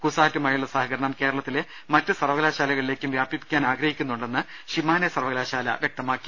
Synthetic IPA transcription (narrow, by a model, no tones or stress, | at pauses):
kusaːtːumaːjijuɭːɐsaːɦɐkɐɾɐɳɐmke̞ːɾɐɭɐt̪ːile | mɐtːɨsɐrʋɐɣlaːɕaːlɐɣɐɭile̞ːkʲːumʋjaːbjipːi̥kʲːaːnaːɡɾɐhikʲːunːuɳɖe̞nːɨ | ɕimaːnesɐrʋɐɣɐlaːɕaːlɐ̰ʋje̞k̚t̪ɐmaːkːi̥